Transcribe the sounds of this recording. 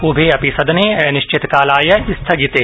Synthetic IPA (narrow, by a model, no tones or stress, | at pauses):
ʊbʱeɐpɪsɐd̪nenɪʃt͡ʃɪt̪kaːlaːjɐɪst̪ʰɐɡɪt̪eː